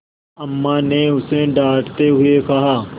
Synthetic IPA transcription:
ɐmːaneʊseɖaːʈt̪eɦʊekɐɦaː

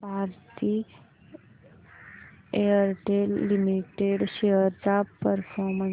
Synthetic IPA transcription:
bʱaɾt̪i | eəɾʈelːimiʈeɖɕeɦəɾd͡zapəɾfʰɔɾmə̃

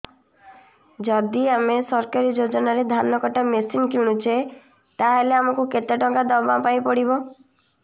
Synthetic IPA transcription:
d͡ʒɔd̪iamesɔɾkaɾid͡ʒod͡ʒɔnaɾed̪ʱanːɔkɔʈamesinkuɽ̃ut͡ʃʰe | t̪aɦeleamɔkuket̪aʈɔŋkad̪ɔbapaj̃pɔɽibɔ

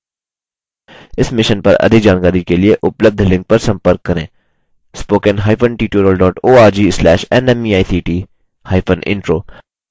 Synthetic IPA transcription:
ɪsmɪʃənpɐ̰ɾɐ̰d̪ʱɪkd͡ʒaːnkaːɾikelieʔʊpləb̚d̪ʱlɪ̃ŋk̚pɐɾsɐ̃mpəɾkːɐɾẽː | spoːkənɦaːɪpʰənʈiːʈoːɾəlɖɔːʈoːaːɾd͡ʒiːslɛːʃɛ̰nɛmiːaːisʰiːʈiː | haːɪpʰənɪ̰̃ɳʈɾoː

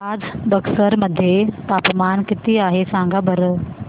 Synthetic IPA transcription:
aːd͡zbɐksəɾmɐd̪ʱjet̪aːpmaːnkɪt̪iaːɦesãːŋɡabɐɾ

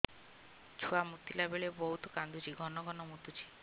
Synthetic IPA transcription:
t͡ʃʰuamut̪ilabeɭebɔɦut̪ɔ̥kand̪ut͡ʃʰiɡʱɔnɔɡʱɔnɔmut̪ut͡ʃʰi̥

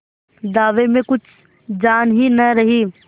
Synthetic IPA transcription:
d̪aːʋemẽkʊt͡ʃʰ | d͡ʒaːnɦinɐɾɐɦiː

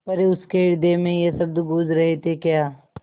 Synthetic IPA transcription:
pɐɾeʊskeɪɾd̪emẽjesɐb̚d̪uɡud͡ʒɾɐɦet̪ekjaː

